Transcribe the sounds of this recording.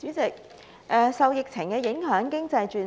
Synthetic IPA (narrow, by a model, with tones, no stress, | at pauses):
y˨˥t͡sɪ˨k̚ | ʔɛː˨sɐ˨wjɪ˨k̚t͡sʰɪ˨˩ŋkɛː˧jɪ˨˥ŋɦœː˨˥ŋkɪ˥ŋt͡sɐ˧jt͡ʃyː˨n